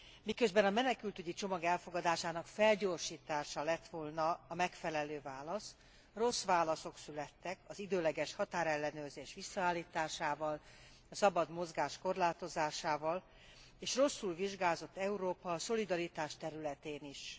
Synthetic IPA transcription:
mikø̞zbɛnɒmɛnɛkylt̪yɟit͡ʃo̞mɒɡɛlfo̞ɡɒd̪aːʃaːnɒkfɛlɟo̞ːrʃiːt̪aːʃɒlɛt̪ʋolnɒːmɛkfɛlɛløːvaːlɒs | ro̞sʋaːlɒso̞ksylɛt̪ːɛkɒzid̪øːlɛɡɛʃhɒt̪aːɾɛlːɛnøːrzeːʃʋisːɒaːlːiːt̪aːʃaːvɒl | ɒsɒbɒd̪mo̞zɡaːʃko̞rlaːt̪o̞zaːʃaːvɒl | eːʃro̞sːulviʒɡaːzo̞t̪ːɛuɾoːpɒːso̞lid̪ɒɾit̪aːʃt̪ɛɾylɛt̪eːniʃ

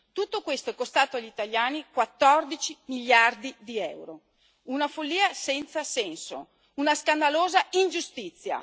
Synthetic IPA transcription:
t̪ut̪ːokwest̪oɛkːost̪aːt̪oaʎːit̪aljaːnikwat̪ːɔrd̪it͡ʃimiʎːard̪id̪iɛwɾo | unafolːiːasɛnt̪sasɛnso̰ | unaskand̪aloːzaind͡ʒust̪it̪sːja̰

